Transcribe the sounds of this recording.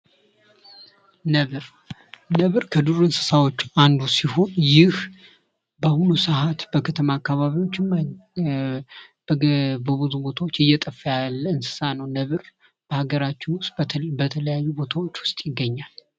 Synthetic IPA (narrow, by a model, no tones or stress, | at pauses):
nəβɨɾ | nəβɨɾkʰəd̪uɾɨnsɨ̥sawot͡ʃːand̪usiho̞njɪh | bəhunusɨɦat̪bəkʰət̪ʰəmaːkːaβaβiwo̞t͡ʃːɪm | bəbuzubo̞t̪ʰawo̞t͡ʃːɨjːɛt̪ʼəfːjalːɨnsɨ̥sanəwnəβɨɾ | b̥əhaɡəɾat͡ʃːɪnwʊst̪ʼbət̪ʰələjajːubo̞t̪ʰawo̞t͡ʃːwʊ̥st̪ʼjɪɡːəɲːal